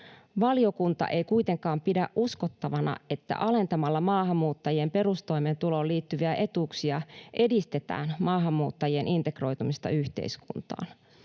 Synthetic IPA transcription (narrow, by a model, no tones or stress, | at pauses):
ʋɑlijo̞kunt̪ɑ̰ʔe̞jkuit̪e̞ŋkɑːmpidæʔʔuskot̪ːɑʋɑnɑ̰e̞t̪ːæ̰ʔɑle̞nt̪ɑmɑlːɑmɑːɦɑmːuːt̪ːɑjie̞mpe̞ɾust̪o̞jment̪ulo̞liːt̪ːyʋiæʔe̞t̪uːksiɑʔe̞dist̪et̪æ̰ːnmɑːɦɑmːuːt̪ːɑjienʔint̪e̞kro̞jt̪umist̪ɑ̰yçt̪e̞̰iskṵnt̪ɑ̰ːn